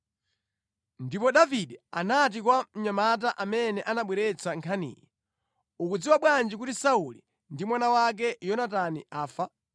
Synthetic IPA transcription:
ndipɔɗaviɗɛa̰nat̬ikwam̩ɲamataʔamɛnɛʔanaɓwɛɾɛt͡sʰaŋkʰanḭːjɛ | ukud͡ziwaɓwand͡ʒikutisauli | ndimwanawak̬ɛjɔnataniʔaːfa

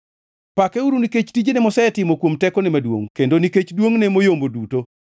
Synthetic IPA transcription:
pakɛuɾuniket͡ʃtid͡ʒenɛmɔsɛɛtɪmokwomtɛkɔnɛmadwo̰ŋkendoniket͡ʃdwoŋnemojomboduto

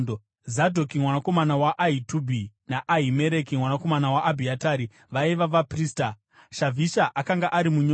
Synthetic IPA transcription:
zadʱo̞kimwanako̞manawaʔaitubʱi | naʔaɦime̞ɾekimwanako̞manawaʔːbʱiataːɾi | ʋaiʋaʋapriːsta | ʃavʱiʃaʔakaŋɡaʔaɾimuɲo

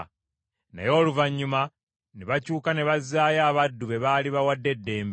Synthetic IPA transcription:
na̰jo̞ːluvaɲːuma | neβacuːkane̞βazːaːjaːβadːuβe̞βaːliβawadːe̞dːe̞ːmb

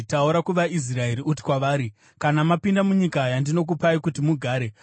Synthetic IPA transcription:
tauɾakuʋais̬rae̞ɾiʔuti̥kwaʋaːɾi | kanamapindamuɲikajandino̞k̬upaikutimuɡʱaːɾe̞

